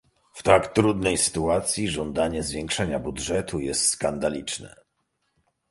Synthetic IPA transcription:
ft̪akt̪ɾud̪nɛjsɘ̥t̪uat̪sʲjiʐɔnd̪aɲɛzvʲjɛŋkʂɛɲabudʐɛt̪ujɛst̪skand̪alʲit͡ʂnɛ̰

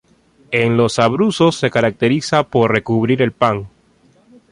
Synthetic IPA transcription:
e̞ŋlo̞saβɾuso̞sːe̞kaɾak̚t̪e̞ɾisapo̞ɾre̞kuβɾiɾe̞lpaŋ

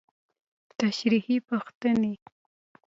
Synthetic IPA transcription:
t̪aʃɾihipaxt̪əne

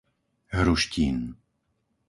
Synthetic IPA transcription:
ɦɾuʃciːn

